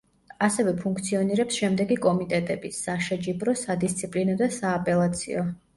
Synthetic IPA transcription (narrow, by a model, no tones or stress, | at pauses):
asɛvɛpʰuŋkʰt̪sʰiɔniɾɛpsʃɛmd̪ɛɡikʼɔmit̪ʼɛt̪ʼɛbisaʃɛd͡ʒibɾɔsad̪ist̪sʰipʼlinɔd̪asaːpʼɛlˠat̪sʰḭɔ